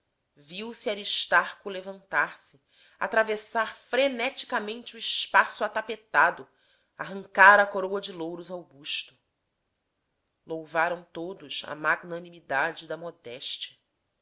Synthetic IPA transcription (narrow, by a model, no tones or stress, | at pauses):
viwsiaɾiʃt̪aɾkʊlevɐ̃nt̪aɾsɪ | a̰t̪ɾavesaɾfɾenɛt͡ʃi̥kamẽnt͡ʃɪuɪʃpasuat̪apet̪ad̪ʊ | aɦɐ̃ŋkaɾɐkoɾowɐd͡ʒɪlowɾʊzawbuʃt̪ʊ̥ | lowvaɾɐ̃w̃t̪od̪ʊʃɐ̰maɡnɐnimid̪ad͡ʒɪd̪ɐmɔd̪ɛʃt͡ʃɐ̥